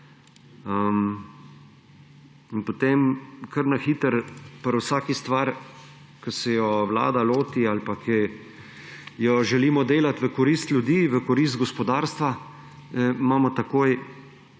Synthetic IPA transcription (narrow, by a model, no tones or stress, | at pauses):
əm | inpot̪emkʰɐɾnaxiːt̪əɾpəɾwsaːkist̪ʋaɾ | kəsɛjɔwla̰ːd̪aloːt̪ialpakʰɛ | jɔʒɛliːmɔd̪eːlat̪ʋəkɔɾiːst̪ljud̪iːʋəkɔɾiːs̬t̪̚ɡɔspɔd̪aːɾst̪ʋa | əmaːmɔt̪akoːj